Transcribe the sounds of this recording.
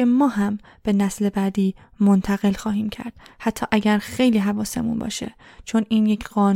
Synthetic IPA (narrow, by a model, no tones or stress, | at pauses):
emɒːɦæm | b̥e̞næsle̞bæːd̪iːmont̪ʰæɣe̞lxɒːɦiːmcʰæ̰ɾd̪̥hæt̪ʰːɒ̰ːʔæɟæɾxe̞jliːɦævɒːse̞̰mṵnbɒ̰ːʃe̞̰t͡ʃʰo̞niːnjecʰɢ̥ɒːn